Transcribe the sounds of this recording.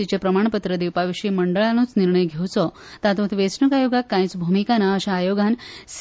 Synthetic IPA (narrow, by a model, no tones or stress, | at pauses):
it͡ɕepɾəmaɳ̃pət̪ɾəd̪iwpaʋiɕiməɳɖəɭanũːt͡sniɾɳəjɡʱewt͡sɔ | t̪at̪õt̪ʋesnəkajoɡakːãj̃t͡sbʱumikanaəɕaːjoɡans